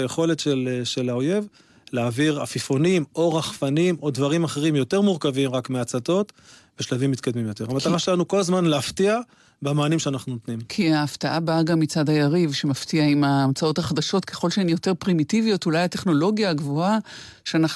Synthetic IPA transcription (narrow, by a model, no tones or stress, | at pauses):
ajeχo̞letʃelʃelaoje̞v | leaviʁa̰fifonimo̞ʁaχfanimodvaʁimaχeʁimjo̞te̞ʁmuʁkavimʁakmeat͡sat̪o̞t̪veʃlavimːit̪kad̪mimjo̞t̪e̞ʁamataʁaʃelanuko̞lazmanleaftia | bemaːnimʃeanaχnunot̪nimkʰiaːftaʔabaaɡamːit͡sadajaʁivʃe̞maftiaimaːmt͡sao̞thaχadaʃo̞tkʰe̞χo̞lʃeenijo̞te̞ʁpʁimitivijo̞tulajate̞χno̞lo̞ɡjaːɡvoa | ʃeanaχ